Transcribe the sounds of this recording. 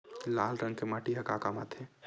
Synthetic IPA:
laːlɾəŋɡ̚kemaʈiɦɐkakama̰t̪ʰe

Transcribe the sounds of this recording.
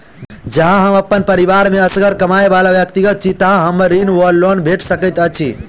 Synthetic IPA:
d͡ʒəɦãɦəməpːənpəɾiʋaɾmeəsɡəɾkəmaebalaʋjək̚t̪iɡət̪̚t͡ʃʰit̪əɦãɦəmɾinʋəɖlːonbʱeʈʰsəkət̪ət͡ʃʰi

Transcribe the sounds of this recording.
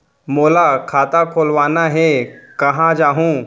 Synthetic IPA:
moːlakʰaːt̪akʰoːlʋaːnaɦekɐɦãd͡ʒaːɦũ

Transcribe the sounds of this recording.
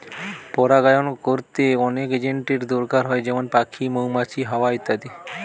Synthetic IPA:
pɔɾaɡajonokoɾt̪eɔneked͡ʑeɳʈeɾd̪oɾɡaɾɦɔed͡ʑɛmonpakʰimowmat͡ɕʰiɦawait̪ːad̪i

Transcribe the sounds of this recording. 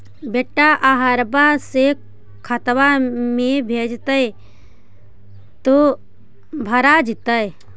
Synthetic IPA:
beːʈːaʔaɦəɾbase | kʰət̪ʋamẽbʱeːd͡ʒt̪əe | t̪o | bʱɐɾad͡ʒɪt̪əe

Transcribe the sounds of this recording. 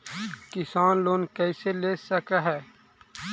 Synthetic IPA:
kɪsaːnloːnkɛːɪseleːsəkaɦɛː

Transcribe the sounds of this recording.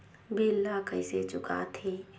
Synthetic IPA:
bʱiːlːakəɪset͡ʃʊka̰t̪ʰeː

